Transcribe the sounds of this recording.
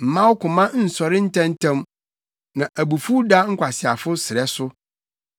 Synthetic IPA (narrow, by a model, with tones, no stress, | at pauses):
m̩˨mã˦wʊ˦kʊ˨mã˦n̩˨sɔ˨ɾɪ˦n̩˦tʰɛ̃˦n˦tʰɛ̃˦m | nã˨ʔæ˨bu˨fu˦da˦ŋ̩˦kʷʰa˨sɪ˨a˨fʊ˦sɪ˨ɾɛ˦sʊ˦